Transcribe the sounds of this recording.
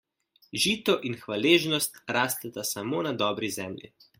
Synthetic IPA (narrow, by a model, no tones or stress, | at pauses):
ʒiːt̪ɔʔinxʋaleːʒnɔst̪ɾaːst̪ɛt̪asamoːnad̪ɔːbɾizɛːmlʲḭ